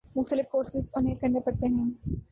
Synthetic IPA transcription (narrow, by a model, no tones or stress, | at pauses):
mʊxt̪əlɪfkoːɾsɪzʊnɦẽkɐ̃ɳɖepɐɽt̪eɦɛ̃ː